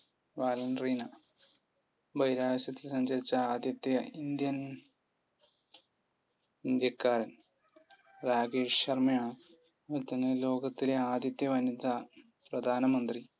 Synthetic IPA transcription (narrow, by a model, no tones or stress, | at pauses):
ʋaːlɐnrinɐ | bɐjɾaːʋɐɕɐt̪ːilsɐɲd͡ʑɐɾit͡ɕːɐaːd̪jɐt̪ːjɐind̪jɐn | ind̪jɐkːaːɾɐn | ɾaːɡiːʂɕɐrmɐjaːɳɨ | ɐɾt̪ːɐnːɐlo̞ːɡɐt̪ːileaːd̪jɐt̪ːjɐʋɐnid̪ɐ | prɐd̪ʱaːnɐmɐnd̪ri